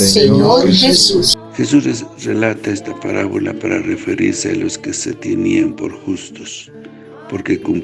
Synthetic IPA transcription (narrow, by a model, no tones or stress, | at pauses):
seɲoɾxesusxesusrelat̪aest̪apaɾaβolapaɾarefeɾḭɾsealoskeset̪eniampo̞̰ɾxust̪os | poɾkekum